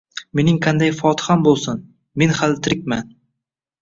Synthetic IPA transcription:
me̞nɪŋqʰand̪ajfɒt̪ʰɪhambolˠsʊn | me̞nhalt̪ʰɪɾɪk̚ʲman

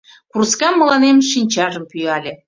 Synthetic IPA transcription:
kurskɑmːɤ̆lɑnemʃinʲt͡ɕɑʒə̆mpyjɑlʲĕ

